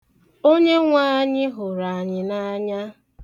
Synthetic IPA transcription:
o˦ɲe˦ŋʷaː˦ɲɪ˦ɦʊ˨ɾa˨a˨ɲɪ˨na˦ɲa˦

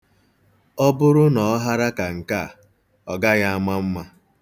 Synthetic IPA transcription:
ɔ˦bʊ˦ɾʊ˦nɔ˨ɔ˦ɦa˦ɾa˦ka˨ŋ̩˨ka˦˨ | ɔ˨ɡa˦ɣa˦a˦ma˦m̩˦ma˦

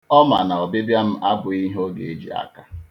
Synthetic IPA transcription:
ɔ˦ma˨na˨ɔ˨bɪ˦bja˦m̩˦ʔa˦bʊ˨i˦ɦo˦ɡḛ˨e˨d͡ʒḭ˨a̰˦ka˦

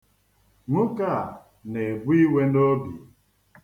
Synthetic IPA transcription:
ŋʊ˦ka˦˨ | ne˨bu˦i˦we˦no˦bḭ˨

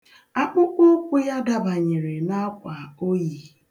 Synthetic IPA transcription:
a˦k͡pʊ˦ko˦kʷu˦ja˦da˦ba˨ɲe˨ɾe˨na˦kʷa˨o˦ji˨

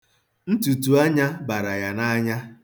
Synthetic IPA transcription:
n̩˦tu˨tu˨a˦ɲa˦ba˨ɾa˨ja˨na˦ɲa˦

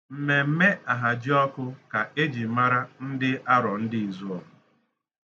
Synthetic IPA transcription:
m̩˨me˨m̩˦me˦a˨ɦa˨d͡ʒɪ˦ɔ˦kʊ˦ka˨ʔe˦d͡ʒi˨ma˦ɾa˦n̩˦dɪ˦a˦ɾɔ˨n̩˦dɪ˦i˨zu˦ɔ˨ʊ˨

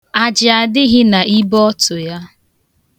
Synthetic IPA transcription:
a˨d͡ʒɪ˨a˨dɪ˦ɣɪ˦na˨i˦bɔ˦tʊ˨ja˦

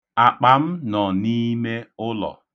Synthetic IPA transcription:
a˨k͡pa˨m̩˦nɔ˨ni˦me˦ʊ˦lɔ̰˨

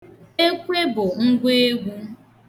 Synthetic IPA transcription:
e˦kʷe˦bʊ˨ŋ̩˦ɡʷe˦e˦ɡʷu˦

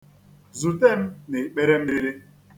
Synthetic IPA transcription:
zu˨te˦m̩˦ne˨k͡pe˦ɾe˦m̩˦e˦ɾe˦

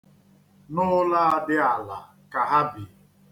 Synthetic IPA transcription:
nʊ˦la˦a˦dɪ˦a˨la̰˨ | ka˨ɦa˦bi˨

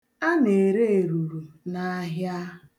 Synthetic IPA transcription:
a˦ne˨ɾe˦e˨ɾu˨ɾu˨na˨a˦ɦja˦

